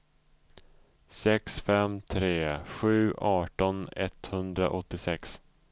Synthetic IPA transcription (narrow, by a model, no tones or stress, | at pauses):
sɛksfɛmt̪ʰɾeːɧʉ̟ːʔɑːʈɔnɛ̰t̪hɵnd̪ɾa̰ʔɔt̪ːɪsɛks